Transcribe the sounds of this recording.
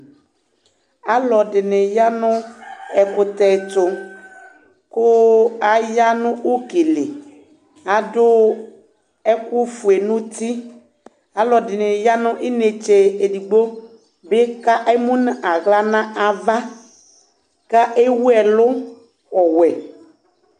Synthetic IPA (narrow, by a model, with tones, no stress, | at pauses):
a˨lɔ˨dɪ˨ne˨ja˦nʊ̃˦ɛ˨kʊ˨t̪ɛ˨t̪ʊ˨ | kʊ˦a˨ja˦nʊ̃˦u˦ke˨le˨ | a˨dʊ˦ | ɛ˦kʊ˦fu˨e˨nũ˦t̪i˦ | a˨lɔ˨dɪ˨nɪ˨ja˦nʊ̃˦ʔɪ˦ne˨t͡ʃe˨e˨di˨ɡ͡bo˦ | bɪ˦ka˦ʔe˦mũ˦nɪ̃˦ʔa˨ɣla˦nã˦ʔa˨va˦ | ka˦ʔe˦wu˦ɛ˨lʊ˦ | ɔ˨wɛ˨